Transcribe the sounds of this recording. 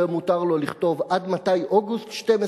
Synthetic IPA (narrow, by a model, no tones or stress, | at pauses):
emutaʁlo̞liχto̞vʔad̪mat̪ajʔoɡust̪ʃteme